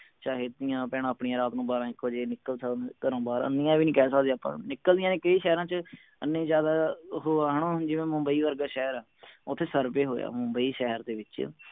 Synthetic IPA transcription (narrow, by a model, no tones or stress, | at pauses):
t͡ʃaːɦed̪d̪ɪjãːpɛːɽ̃ãːəpɳijãːɾaːt̪nũːbaːɾãːɪkʰːoːd͡ʒeːnɪkːəlt̪ʰakəɾõːbaːɾã̰ːnɪjãːʋiːnĩːkɛːsaːd̪eːapã̰ːnɪkːəld̪ɪjãːnẽːkəiːʃɛːɾãːt͡ʃə | ənːẽːd͡ʒjaːd̪aːɦoːaːɦəɳ̃õːd͡ʒɪʋẽːmʊmbəiːʋəɾɡaːʃɛɦəɾaːʊt̪ʰːeːsəɾpeːɦoːja̰ːmʊmbəiːʃɛɦəɾd̪eːʋɪt͡ʃ